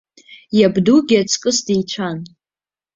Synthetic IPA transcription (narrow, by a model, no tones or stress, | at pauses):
jabduɡʲat͡sʰʼkʼɨsdijt͡ʃʷʰan